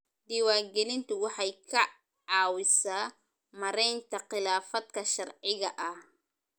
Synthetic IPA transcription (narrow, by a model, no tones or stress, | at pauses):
d̪ɪwaːɡɛnɪnt̪ʰʊwɑħɑjkʰɐ | ɑːwɪsaː | mɐɾɛjnt̪ʰɐqɪlaːfɐd̪kʰɐʃɐrʕɪɣɐʔɐh